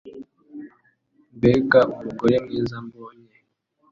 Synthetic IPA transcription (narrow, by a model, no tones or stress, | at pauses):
mbekaumuɡojemŋiːzamboːɲe